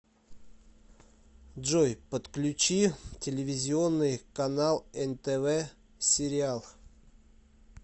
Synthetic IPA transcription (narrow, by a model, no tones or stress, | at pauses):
dʐojpət̪klʲʉt͡ɕitʲɪlʲɪvʲɪzʲɪo̞nːɨjkɐnalˠɛnt̪ɛvɛ | sʲɪɾʲɪalˠ